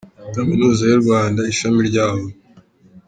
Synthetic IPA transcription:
kaminuːzajuɾɡwaːndaiʃamiɾɟaːβo

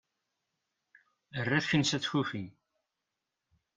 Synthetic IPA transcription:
ərːæθçənsæt͡sːçufin

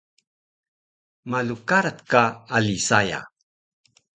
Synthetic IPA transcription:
malukaɾat̪kaːlisaja̰

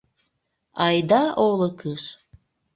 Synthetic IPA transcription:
ɑjd̪ɑʔoləkəʃ

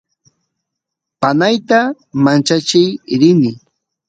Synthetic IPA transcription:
panajt̪a | mant͡ʃat͡ʃɪjɾɪnɪ

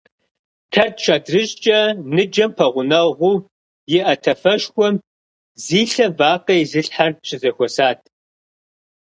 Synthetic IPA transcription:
tʰɐrt̚ʰʃʰaːdrɨɕt͡ʃʼɐnɨd͡ʒɐmpʰɐʁʷʊnɐʁʷuː | jɪʔɐtʰɐfɐʃxʷɔm | ziːɬɐvaːqɐjzɨɬħart͡ʃʰʼɪzɐxʷɔsaːtʰ

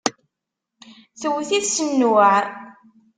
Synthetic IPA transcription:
θəwθiθsənːəʕ

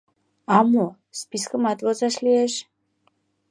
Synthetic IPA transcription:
amɔ | spiskʼmat̪ʼvɔzaʃliɛʃ

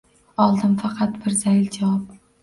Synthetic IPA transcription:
ɒlˠd̪ɪmfɑqʰɑt̪bɪɾzajld͡ʒawɑp

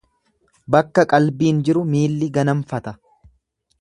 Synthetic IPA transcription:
bɐkːɐkʼɐlbiːnd͡ʒɪɾʊmiːlːɪɡɐnɐɱfɐt̪ɐ

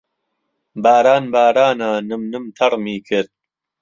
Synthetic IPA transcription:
baːɾaːnbaːɾaːnaːnɨmnɨmt̪ʰɐrˤmiːkʰɨɾd̪̚

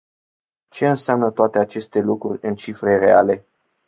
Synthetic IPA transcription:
t͡ʃe̞ɨnseamnət̪oat̪e̞at͡ʃe̞st̪e̞lukɾurʲɨnt͡ʃifɾe̞re̞a̰le̞

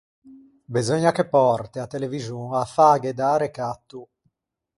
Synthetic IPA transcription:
bizɔɲːakepːɔrt̪eat̪ːelevizuafaːɡed̪aːɾekat̪ːu

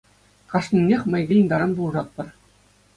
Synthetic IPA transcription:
kɑʂnʲinʲːexʲmʲɘ̆jɡʲejĭnd̪ɑɾɑnbulˠʐɑt̪̚pɤ̆r

